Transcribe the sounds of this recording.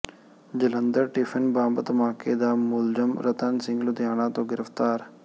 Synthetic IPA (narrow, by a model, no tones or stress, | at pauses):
d͡ʒələnd̪əɾʈipʰənbaːmbət̪maːkeːd̪aːmʊld͡ʒəmɾət̪ənsɪ̃ŋɡlʊd̪jaːnãːt̪õːɡɪɾəft̪aːɾ